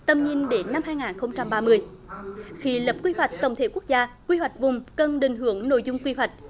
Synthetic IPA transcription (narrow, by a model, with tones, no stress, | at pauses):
t̪ə˧˩mɲi˧ənɗe˨˦nːa˧mhaː˧jŋaː˨˩nxə˧wŋ͡mt͡ɕa˧mɓaː˧mɨ˧əj | xi˧lə˨˩p̚kwi˧hwa˨˩jk̟̚t̪ə˧˩wŋ͡mt̪ʰe˧˨˦ku˦˥ək̚zaː˧kwi˧hwa˨˩jk̚vʊ˨˩ŋ͡mkə˧nɗï˨˩ŋ̟ɦɨ˧˩˦əŋno̰˧˨jzʊ˧ŋ͡mkwi˧ɦwa˨˩k̟̚